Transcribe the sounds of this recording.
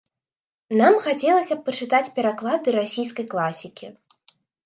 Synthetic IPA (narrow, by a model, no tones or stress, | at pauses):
namxat͡sʲɛlˠɐsʲɐpːɐt͡ʂɨt̪at͡sʲpʲɛɾaklˠad̪ɨɾasʲijskɐjklˠasʲikʲi